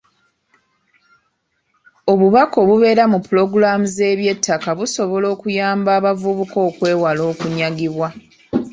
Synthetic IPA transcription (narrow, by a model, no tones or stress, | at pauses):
o̞βuβako̞βuβe̞ːɾamupːulo̞ɡuɾamuze̞ːβje̞tʰːakaβuso̞βo̞lo̞ːkujaːmbaːβavuβuko̞ːkwe̞ːwalo̞ːkuɲaɡiβwa